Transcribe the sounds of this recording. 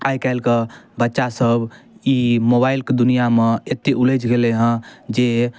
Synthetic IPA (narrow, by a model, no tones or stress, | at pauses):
ajkɛɪlkebətːʃasəbimobailked̪unijameet̪ːeʔuləd͡ʒɡeleɦə̃d͡ʒe